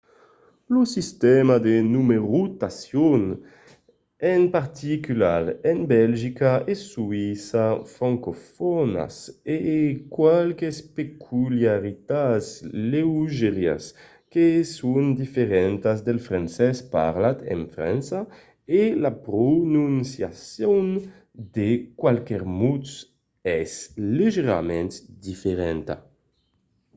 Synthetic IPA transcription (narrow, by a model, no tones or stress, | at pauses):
lusist̪ɛmad̪enumeʁut̪asjon | ɛnpaɾt̪ikylaɾɛnbɛlʒikaesuisafɾaŋkofɔna̰sekwalkespekʰuljaʁit̪atslewʒeʁja̰s | kesund̪ifeɾɛnt̪azd̪elfɾansɛspa̰ɾlat̪ḛɱfɾa̰nsa | elapɾonunsjasjon | d̪ekwalkɛɾmut̪s | ɛsleʒeɾa̰mɛ̃nt̪d̪ifeɾɛnt̪a̰